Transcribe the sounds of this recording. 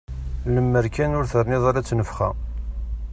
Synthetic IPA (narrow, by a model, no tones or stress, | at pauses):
ləmːəɾkænʊɾθəɾˤniðˤaɾæt͡sːnəfχæ